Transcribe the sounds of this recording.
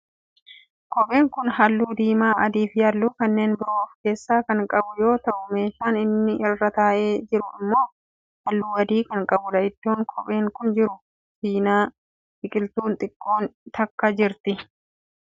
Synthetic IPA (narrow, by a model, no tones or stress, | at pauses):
kɔpʼe̞ːŋkʊnɦɐlːuːd̪iːmaːɐd̪iːfjɐlːuːkɐnːe̞ːnbɪɾoːfke̞ːsːaːkɐŋkʼɐbʊjo̞ːt̪ɐʔʊme̞ːʃaːnɪnːɪʔɪrːɐt̪aːʔeːd͡ʒɪɾʊɪmːo̞ː | hɐlːuːɐd̪iːkɐŋkʼɐbʊd̪ɐʔɪd̪̥ːo̞ːŋkʰɔpʼe̞ːŋkʊnd͡ʒɪɾʊ | fiːnaː | ɪkʼɪlt̪uːnt̪ʼɪkʼːo̞ːnt̪ɐkːɐd͡ʒɪɾt̪ɪ